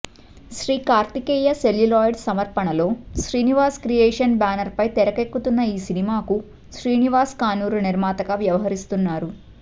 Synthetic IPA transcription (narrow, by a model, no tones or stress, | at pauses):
ʃɾiːkaːɾt̪ikɛːjɐseljilaːjɖsɐmɐɾpɐɳɐlo̞ːʃɾiːniʋaːskɾijɛːʂɐnbaːnɐɾpɐjt̪ɛɾɐkekːut̪unːɐiːsinimaːku | ʃɾiːniʋaːskaːnuːɾuniɾmaːt̪ɐɡaːʋjɐʋɐɦɐɾist̪unːaːɾu